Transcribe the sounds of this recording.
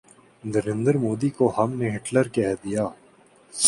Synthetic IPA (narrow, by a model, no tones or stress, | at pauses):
nəɾẽnd̪əɾmoːd̪ikohɐmneɦɪʈləɾkɛɦd̪ijaː